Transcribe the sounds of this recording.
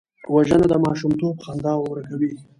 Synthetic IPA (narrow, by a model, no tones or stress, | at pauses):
waʒənod̪əmɑʃumt̪obxand̪ɑwwɾəkawi